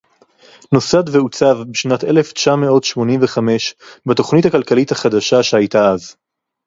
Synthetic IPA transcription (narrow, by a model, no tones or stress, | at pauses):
no̞sad̪veut͡savbeʃnate̞left͡ʃameo̞tʃmo̞nimveχame̞ʃbato̞χnithakalkalithaχad̪aʃaʃehajtaaz